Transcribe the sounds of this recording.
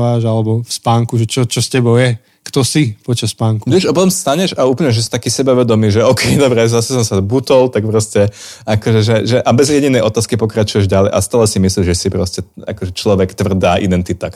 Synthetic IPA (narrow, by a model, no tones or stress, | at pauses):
ʋaːʒalɛbɔfspaːŋkuʒɛt͡ʃɔt͡ʃɔscɛbɔʊjɛ | kt̪ɔsipɔt͡ʃasspaːŋkuɛʒɔpɔt̪ɔmsst̪aɲɛʃauːplɲɛʒɛsi̥t̪akiːsɛbaʋɛd̪ɔmiːʒɛɔkʰɛjd̪ɔbɾɛzasɛsɔmsabut̪ɔlt̪ak̚pɾɔscɛakɔʒɛʒɛʒɛʔabɛzjɛɟinɛjʔɔt̪aːskipɔkɾat͡ʃujɛʒɟalɛjʔa̰st̪aːlɛsimisliʒʒɛsipɾɔscɛa̰kɔʒɛt͡ʃlɔʋɛkt̪ʋr̩d̪aːʔid̪ɛnt̪it̪a